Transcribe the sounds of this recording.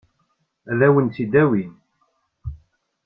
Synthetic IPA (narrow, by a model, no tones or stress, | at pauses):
æðæwənt̪ːid̪æwin